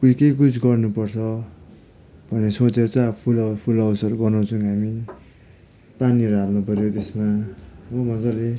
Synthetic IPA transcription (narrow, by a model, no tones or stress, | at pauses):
kut͡sʰkek̬ut͡sʰɡʌrnupʌrt͡sʰʌ | bʱʌnesot͡set͡sapʰulʌpʰulʌwsʌɾubʌnaw̃t͡sʰũɦami | paniʌɾuɦalnupʌɾjot̪esmawʌmʌd͡zʌle